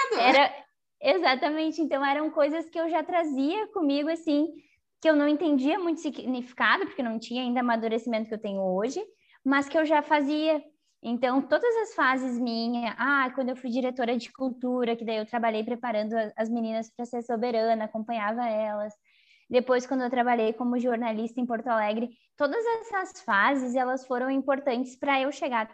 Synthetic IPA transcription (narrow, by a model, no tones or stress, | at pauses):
ɛɾɐ | ezat̪ɐmẽnt͡ʃɪẽnt̪ɐ̃w̃ɛɾɐ̃w̃kojzɐskɪewʒat̪ɾaziɐkõmiɡʊasĩ | kɪewnɐ̃w̃ẽt̪ẽnd͡ʒiɐmũj̃t̪ʊ̥siɡnifi̥kad̪ʊpoɾkenɐ̃w̃t͡ʃĩɲɐaĩd̪ɐamad̪uɾesimẽnt̪ʊkewt̪ẽɲʊoʒɪ | mɐskɪewʒafaziɐ | ẽnt̪ɐ̃w̃t̪od̪ɐzɐsfazɪzmĩɲɐʔakwɐ̃nd̪ʊewfujd͡ʒiɾet̪oɾɐd͡ʒɪkult̪uɾɐkɪd̪aiewt̪ɾabaʎejpɾepaɾɐ̃nd̪ʊɐzminĩnɐspɾɐseɾsobeɾɐ̃nɐakõmpɐ̃ɲavɐɛlɐs | d̪epojskɐ̃d̪ʊewt̪̬ɾabaʎejkõmʊʒoɾnalist̪ɐẽpoɾt̪ʊalɛɡɾɪ | t̪od̪ɐzɛsɐsfazɪzɛlɐsfoɾɐ̃w̃ĩmpoɾt̪ɐ̃nt͡ʃɪ̥spɾɐewʃeɡaɾ